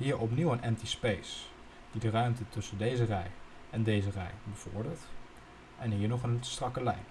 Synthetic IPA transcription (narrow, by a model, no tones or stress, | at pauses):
ɦiːɹʔɔp̬niwənʔɛntispejs | d̥idərœɥmtətɵsəndejzərɛj | ɛndejzərɛ̰jbəv̥ɔ̰ɹdəɹt | ʔɛnɦiːɹnɔχənstrɑkəlɛjn